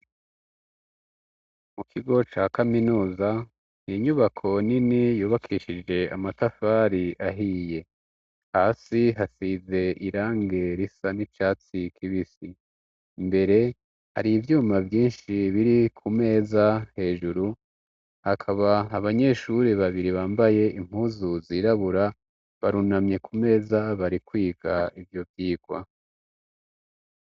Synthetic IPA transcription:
mukʰiɡo̞t͡ʃaːkaminuːza | niɲuβakʰo̞ninijuːβakʰiːʃid͡ʒe̞a̰matafaːɾiʔaɦiːje̞ | haːsiɦasize̞ʔiɾaːŋɡe̞ɾisaniʃaːt͡sikʰiβisi | mbe̞ɾe̞ | ha̰ɾivjuːmavjiːnʃiβiɾikʰume̞ːzahe̞ːʒuɾu | hakʰaβaːβaɲe̞ʃuɾiβaβiɾiβaːmbaje̞ʔim̥huːzuziːɾaβuɾa | βaɾunamɲe̞kʰume̞ːzaβaɾikwiːɡ̥aivjo̞vjiːɡwa̰

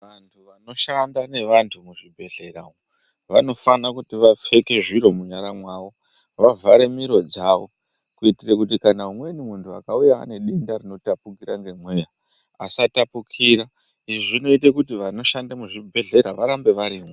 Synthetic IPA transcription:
ʋantʰuʋano̞ʃandane̞ʋantʰumuʐibʱe̞ɮe̞ɾao | ʋano̞fanakutiʋafe̞ke̞ʐiɾo̞muɲaɾamwaːʋo̞ | ʋavʱaɾe̞miɾo̞d͡zaʋo̞ | kuitirekut̬ikanaumwe̞nimuntʰua̰kauja̰ːne̞ɗindarino̞tapukiɾaŋɡe̞mwe̞ːja | asatapukʰiɾa | iʐiʐino̞itekutiʋano̞ʃandamuʐibʱe̞ɮe̞ɾaʋaɾambe̞ʋaɾiːmwe

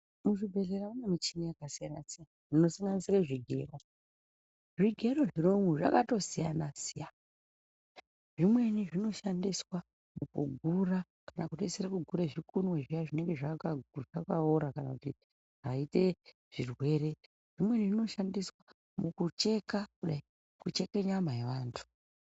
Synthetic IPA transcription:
muʐibʱe̞ɮeɾaunemit͡ʃinijakasijanasijanaʐino̞saŋɡanisireʐiɡʱḛro̞ | ʐiɡʱe̞ɾo̞ʐiɾoŋɡuʐa̰kato̞sijanasija | ʐimwe̞niʐino̞ʃandiswa | mukṵɡʱuɾa | kanakuteseɾakuɡʱuɾeʐikunweʐijaʐine̞ŋɡe̞ʐakaʐakaoɾakanakuti | ʐ̥aite̞ | ʐ̥irwe̞ːɾe̞ | ʐ̥imwe̞niʐino̞ʃandiswa | mukut͡ʃe̞kakuɗai | kut͡ʃe̞ke̞ɲamaeʋaːntʰu̥

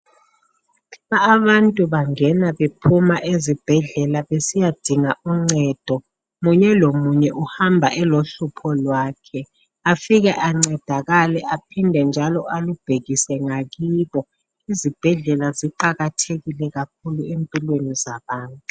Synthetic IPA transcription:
aːβantʼuβaŋɛnaβepʰumaʔezib̥ʱɛɮɛlaβesijad̥ʱiŋaʔuŋ͡ǀɛd̥ʱɔ | muɲɛlomuɲɛʔuhambʱa̰ʔɛloɬupʰɔlwaːkʰɛ | afiɣɛʔaŋ͡ǀɛd̥ʱaɣalɛʔapʰindʱɛnd͡ʒʱalɔʔalub̥ʱeɣisɛŋaɣiːβɔ | izib̥ʱɛɮɛlaziǃaɣatʰeɣilɛɣak̚ʰuluempʼilwenizaβaːntʼu

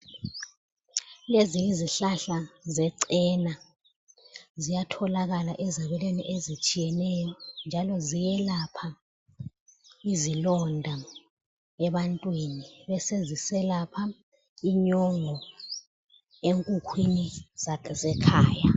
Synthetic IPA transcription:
leziiziɬaɬazɛǀɛna | zijatʰɔlaɣalaʔɛzaβɛlweniʔezit͡ʃʼijɛnɛjɔnd͡ʒʱalɔzijɛlapʰa | izilɔndʱa | ɛβantʼwiniβɛsezisɛlapʰa | iɲɔŋɔ | eŋkʼukʰwinizazɛkʰaːja

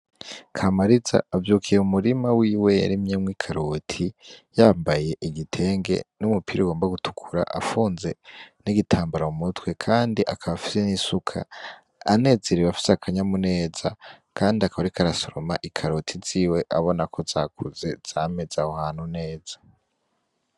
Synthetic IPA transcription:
kʰamaɾiza̰ːvjuːkʰijeumuɾimawiːwe̞ja̰ɾimɲemwiːkʰaɾotʰijaːmbaje̞ʔiɡitʰe̞ːŋɡe̞̰numupʰiɾiɡo̞ːmbaɡutʰu̥kʰuɾa̰ʔafuːnze̞niɡitʰaːmbaɾaumutwe̞kʰaːndiʔakʰaβafi̥se̞nisukʰa̰ː | ne̞ːzeɾiβafi̥seakʰaɲamune̞ːz̥a | kʰaːndiakaβaɾikʰaɾaso̞ɾo̞maʔikʰaɾotʰiziːwe̞ʔaβo̞nakʰo̞zakʰuze̞z̥aːme̞zahohaːn̥hune̞ːz̥ḁ

